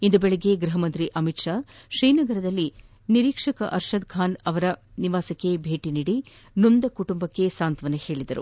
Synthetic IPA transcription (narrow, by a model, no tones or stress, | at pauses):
ind̪ubɛɭeɡe̞ɡɾɐɦɐmɐnt̪ɾiʔɐmiʈʂaːʂɾijnɐɡɐɾɐd̪ɐlːi | niɾiːkʂɐkɐ̰ʔɐɾʃɐd̪̚ɡʰʱaːnɐʋɐɾɐ | niʋaːsɐkːebʱe̞ːʈiniːɽi | nund̪ɐkuʈumbɐkːesaːnt̪ʋɐnehe̞ːɭid̪ɐɾṵ